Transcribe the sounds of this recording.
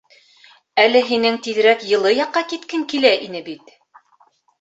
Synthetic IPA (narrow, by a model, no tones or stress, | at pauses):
ælɘɦinɘŋt̪iðɘ̆ɾækjɤ̆lˠɤjɑqːɑkit̪kɘŋkilæʔinɘbit̪